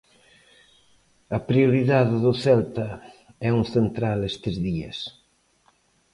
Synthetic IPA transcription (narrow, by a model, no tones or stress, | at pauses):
ɐpɾioɾiðaðɪðʊθɛlt̪ɐ | ɛuŋθent̪ɾalest̪ɪzðiɐ̰s